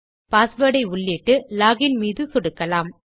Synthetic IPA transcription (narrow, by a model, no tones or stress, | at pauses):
paːsʋɐːɽɐɪʊɭːiːʈːɯlaːɣɪnmiːðɯsɔɽɯkːɐlaːm